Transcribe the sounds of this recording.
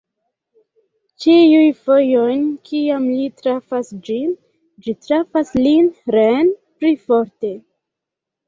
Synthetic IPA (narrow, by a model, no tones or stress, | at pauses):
t͡ʃiujfojojnkiamlitɾafasd͡ʒin | d͡ʒitɾafaslinɾenplifo̞ɾte̞